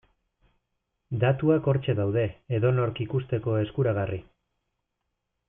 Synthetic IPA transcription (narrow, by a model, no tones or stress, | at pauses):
d̪at̪uako̞ɾt͡ʃe̞ðawð̞e̞eðo̞no̞ɾkikust̪e̞ko̞e̞skuɾaɣ̞ari